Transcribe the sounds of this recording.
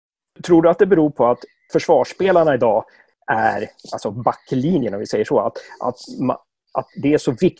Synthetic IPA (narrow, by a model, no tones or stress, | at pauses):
t̪ʰɾuːɖɵat̪̚d̪ɛbɛɾuːɾpʰɔat̪ | fœʂvɑːʂpeːlaɳaɪd̪ɑː | æɾʔalsɔbakːliːnjənɔmvɪsɛjːəʂɔːat̪ʔa̰t̪ma̰ | ʔa̰t̪̚d̪ɛæʂɔvɪk